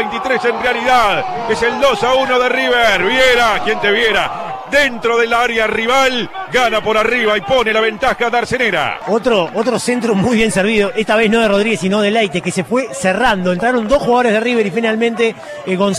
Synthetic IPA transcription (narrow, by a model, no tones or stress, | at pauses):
ejnt̪it̪ɾesenrealiðað | eseld̪osaunoðeriβeɾβjeɾakjent̪eβjeɾa̰d̪ent̪ɾoðelaaɾjariβalɡanapoɾariβaipo̞nelaβent̪axaðaɾseneɾa̰ot̪ɾoʔot̪ɾosent̪ɾumujβje̞nseɾβ̞iðoʔest̪aβe̞sno̞ð̞eroð̞ɾiɣesinoðelejt̪ekesefwe̞serand̪oent̪ɾaɾo̞nd̪o̞sxuɣað̞oɾe̞ðeriβeɾifinalmẽnt̪e | ɣons